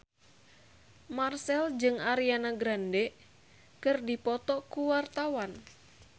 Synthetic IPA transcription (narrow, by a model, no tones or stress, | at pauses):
marsɛld͡ʒɨŋaɾianaɡɾandɛ | kɨrdipɔt̪ɔkuwart̪awan